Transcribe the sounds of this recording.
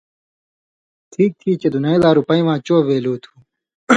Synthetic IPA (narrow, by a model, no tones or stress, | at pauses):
tʰiːk̚t̪ʰiːt͡ɕed̪unɐiːd̪aːɾupɐĩʋãːt͡ɕoːbeːloːt̪ʰu̥ː